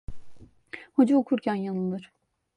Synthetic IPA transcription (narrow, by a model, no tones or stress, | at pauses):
hod͡ʒuokʰuɾcʰænjanɯd̪ˠɯɾ̥